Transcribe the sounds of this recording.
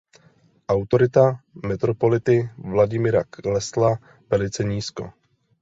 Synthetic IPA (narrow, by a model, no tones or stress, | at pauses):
ʔawt̪o̞ɾɪt̪amɛt̪ɾo̞po̞lɪt̪ɪvlaɟɪmɪɾaklɛsla | vɛlɪt͡sɛɲiːsko̰